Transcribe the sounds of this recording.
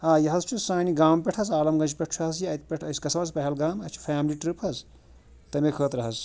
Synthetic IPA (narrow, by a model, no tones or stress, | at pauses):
aːjɐɦɐzt͡ʃʰusaːniɡaːmpʲeʈʰɐzaːlɐmɡɐnt͡ʃʰpʲeʈʰt͡ʃʰɦɐzjiɐjt̪̚pʲeʈʰɐjsʲkɐsʰʋɐzpɐɦɐlɡaːmɐt͡ʃʰu̥fʰaːmliʈɾipɦɐz | t̪ɐmekʰəːt̪ɾɐɦɐz